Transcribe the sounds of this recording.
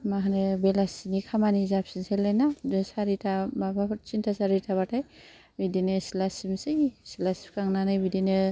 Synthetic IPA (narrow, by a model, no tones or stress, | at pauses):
maɦanebelasinikʰamanizap̚sinselajnasaɾitʰababat͡ʃintʰasaɾitʰaβatʰaj | bidenɯsilasimsɯjsilasi̥p̚kaŋnanɯjbidenɯ